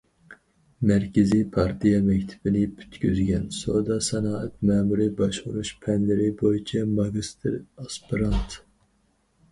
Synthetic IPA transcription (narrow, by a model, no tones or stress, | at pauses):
mɛɾkʲɪzipʰɑɾt̪ʰijɑmɛkʲt̪ʰɪ̥b̥ɪnɪpʰy̥t̪kʲyzɡʲɛnsod̪ɑsɛnɑːɛt̪̚mɛːmuɾibɑʃʁuɾuʃpʰɛnlɪɾɪbojit͡ʃʰɛmɑɡist̪ʰɪɾɑspiɾɑnt̪